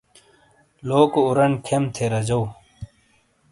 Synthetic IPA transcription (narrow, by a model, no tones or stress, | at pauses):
loːkuɾɐnkʰemt̪ʰeɾɐd͡ʑɐw